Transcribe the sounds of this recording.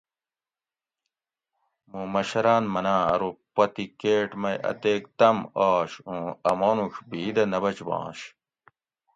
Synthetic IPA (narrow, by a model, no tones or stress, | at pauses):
mũmɐɕɐɾaːnmɐnãːɐ̰ɾopːɐt̪ikeːʈmɐjɐ̰t̪eːkt̪ɐmaːɕũːɐmoːnuɕbiːd̪ɐnɐbɐt͡ɕbɑ̰̃ːɕ